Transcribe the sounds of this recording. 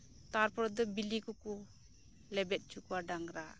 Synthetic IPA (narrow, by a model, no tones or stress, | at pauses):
t̪aɾpɔɾɔd̪ɔbilikɔkɔ | lɛbɛt̪̚ˀt͡ʃukuwaɖaŋɾa